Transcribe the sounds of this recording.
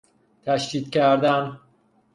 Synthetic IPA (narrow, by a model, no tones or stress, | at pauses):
t̪ʰæʃd̪iːd̪cʰæɾd̪æn